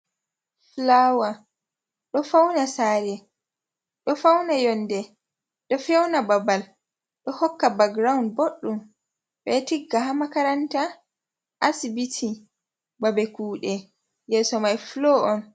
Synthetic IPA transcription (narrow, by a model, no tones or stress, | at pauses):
flawa | ɗɔfawnasaːɾɛ | ɗɔfawnajɔnːdɛ | ɗɔfɛwnababal | ɗɔhɔkːabaɡɾawnboɗːum | ɓɛtiɡːaɦamakaɾanta | ʔasibitʰi | babɛkuːɗɛ | jɛːsɔmajfloʔɔn